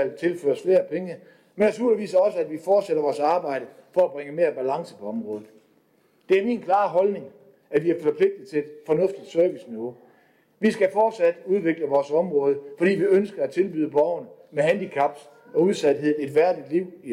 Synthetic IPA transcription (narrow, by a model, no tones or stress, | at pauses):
æl̰t͡sʰe̝lfø̰ːɐsfle̝ːɐpʰeŋə | menæsuɐiʋḭːsɐɒ̽səæd̥ʋifɒːd̥seɾ̥ɐʋɒːsɑ̈ːb̥ɑ̈ɪ̰ɾ̥ə | fɒ̽æb̥ʁeŋəme̝ːɐb̥ælɑ̈ŋsəpʰɒ̽ɒ̽mʁɔːð̞̩ˠ | d̥e̝æɐmiːnkʰlɑ̈ːɦɒ̽lne̝ŋ | æʋiæɐfɒ̽pʰle̝ɡ̥̚d̥ð̩ˠt͡sʰe̝led̥fɒ̽nɔ̽fd̥id̥sœɐʋisniʋo̝ | ʋisɡ̥æfɒːd̥sæd̥uð̞ˠʋe̝ɡ̥ləʋɒːsɒ̽mʁɔ̽ːð̞ˠəfɒ̽d̥ḭːʋiønsɡ̥ɐæt͡sʰe̝lb̥yːðˠəb̥ɒʊ̰nmehænd̥ikʰɑ̈b̥s | ɒ̽uð̞ˠsæd̥ɦe̝ð̞̰̩ˠe̝d̥ʋæɐ̰d̥id̥liʊ̰